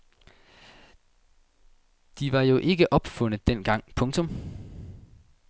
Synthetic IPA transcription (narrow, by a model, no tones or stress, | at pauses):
d̥iʋɑ̈jo̝ʔe̝ɡ̥əʔɒ̽b̥fɔ̽n̰ðˠd̥en̰ɡ̥ɑ̈ŋ̰pʰɔ̽ŋt͡sʰɔ̽m